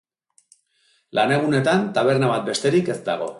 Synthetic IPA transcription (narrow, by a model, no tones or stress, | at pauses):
lane̞ɣ̞une̞t̪ant̪aβ̞e̞ɾnaβat̪̚be̞st̪e̞ɾike̞sd̪aɣ̞o̞̰